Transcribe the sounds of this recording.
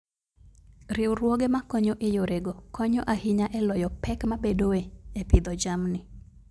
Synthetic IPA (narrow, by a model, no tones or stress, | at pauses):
ɾɪwrwoɡemakɔɲoʔejoɾeɡokɔɲoʔahɪɲaʔɛlɔjɔpɛkmabedoeepɪd̪ɔd͡ʒamnɪ